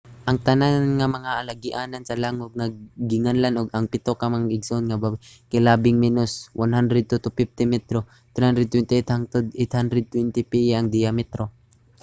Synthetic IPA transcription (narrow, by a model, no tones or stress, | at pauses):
ʔɐŋt̪ɐnanŋamɐŋaʔalaɡɪʔaːnansɐlaŋoɡ̚ŋaɡɪŋanlanʔoɡɐŋpɪt̪okamaŋaɡɪɡsonŋabakajlaːbɪŋmɛnoswʔanɦand̪ɾɛd̪̚t̪ut̪ʊpɪf̚t̪ɪmɛt̪ɾo | t̪ɾɛhand̪ɾɛd̪̚t̪wɛnt̪ɛt̪hat̪d̪ɛt̪hand̪ɾɛd̪̚t̪wɛnt̪ɪpɪjaŋd̪ɪjamɛt̪ɾo